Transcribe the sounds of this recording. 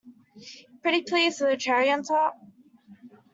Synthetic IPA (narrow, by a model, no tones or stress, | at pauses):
pʰɹ̥ɪɾipʰl̥izəðɨtʰɛɹiə̃ntʰɔt̚